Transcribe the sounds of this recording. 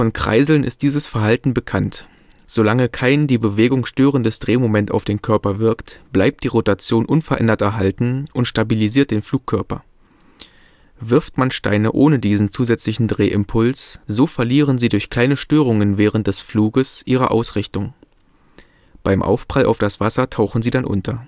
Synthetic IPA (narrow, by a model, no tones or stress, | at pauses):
fɔnkʁ̥a̰ɪzl̩nɪ̰st̚d̥iːzəsfɛɐɦaltn̩bəkʰant | z̥olaŋəkʰaɪndiːbəveːɡʊŋʃtøːʁəndəsd̥ʁeːmomɛnta̰ʊfd̥eːnkʰœɐpɐvɪɐktb̥laɪp̚t̚d̥iːʁotat͡sjoːnʔʊnfɛɐʔɛ̰ndɐtɛɐɦaltn̩ʔʊntʃtabiliziːɐt̚d̥eːnfl̥uːkʰːœɐpɐ̰ | vɪɐftmanʃta̰ɪnəʔoːnədiːzn̩t͡suːzɛt͡slɪçn̩dʁeːʔɪmpʰʊlsz̥oːfɛɐliːʁ̞ənziːdʊɐçkl̥aɪnəʃtøːʁ̞ʊŋənvɛːʁ̞əntd̥ɛsfluːɡəsʔiːʁ̞ɐ̰ʔa̰ʊsʁɪçtʊŋ | b̥aɪmʔa̰ʊfb̥ʁ̥alʔa̰ʊfd̥asv̥asɐtʰaʊxn̩ziːdanʔʊ̰ntʰɐ